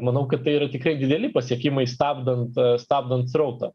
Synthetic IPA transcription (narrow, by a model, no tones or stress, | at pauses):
mɐnɐʊkɐt̪̚tɐɪiːɾɐt̪ʲɪkɾɐɪd̪ʲɪd̪ʲɛlʲɪpɐsʲiɛkʲɪmɐɪst̪ɑːbd̪ɐnt̪st̪ɑːb̚d̪ɐnt̪srɐʊt̪ɐ